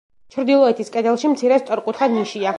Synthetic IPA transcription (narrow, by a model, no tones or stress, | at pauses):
t͡ʃʰɾd̪ilˠɔɛt̪ʰiskʼɛd̪ɛlˠʃimt̪sʰiɾɛst̪ʼɔɾqʼut̪ʰχad̪niʃia